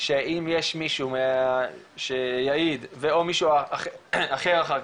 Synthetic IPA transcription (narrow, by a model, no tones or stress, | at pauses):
ʃeʔimjeʃmiʃumea | ʃejaid̪veomiʃua | aχeʁaχa